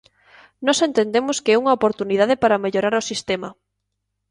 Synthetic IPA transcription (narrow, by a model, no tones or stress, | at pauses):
nɔsent̪end̪emʊskɪɛuŋɐopoɾt̪unið̞aðɪpaɾɐmeʎoɾaɾʊsist̪ɛmɐ